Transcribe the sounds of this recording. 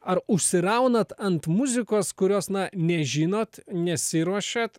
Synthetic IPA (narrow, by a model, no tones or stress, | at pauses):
ɐɾʊʃʲsʲɪɾɐʊnɐt̪ɐnt̪mʊzʲɪkoːskʊɾʲoːsnɐnʲɛʒʲɪnoːt̪nʲɛsʲɪɾuɔʃʲɛt̪